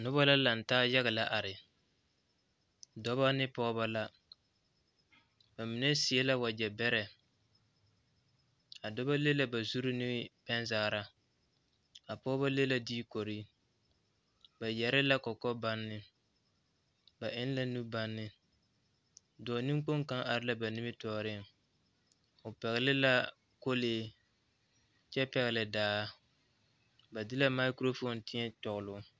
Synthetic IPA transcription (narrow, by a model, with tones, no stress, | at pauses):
nʊ˦βa˦la˦la˨n̩˨taː˦ja˦ɣɪ˨la˦ʔa˨ɾɪ˨ | dɔ˦ba˦nɪ˦pɔː˦βa˦la˦ | ba˨mi˨ne˦si˨e˦la˦wa˨d͡ʒɛ˨bɛ˦ɾɛ˨ | a˨dɔ˦ba˦le˦la˦ba˨zu˦ɾi˦nɪ˦b̥ɛ˦n˦zaː˨ɾa˦ | a˨pɔː˦ba˦le˦la˦diː˦ko˨ɾi˦ | ba˨jɛ˨ɾɪ˦la˦kɔ˨kɔ˦ba˦nːɪ˨ | ba˨ʔɪ˦n˦la˦nu˦ba˦nːɪ˨ | dɔː˨ni˦ŋ˦k͡po˦ŋka˦ŋʔa˨ɾɪ˦la˦ba˨nɪ˦mɪ˦tɔː˦ɾɪ˦˨ŋ | ʊ˨pɛ˨ɣɪ˨lɪ˦la˦ | ko˦leː˨˦ | t͡ʃɛ˦pɛ˨ɣɪ˨lɪ˨daː˦ | ba˨dɪ˦la˦ma˦ɪ˦kɾo˦fo˦ntɪ˦ɲɛ˦tɔ˨ɣʊ˨lʊ˦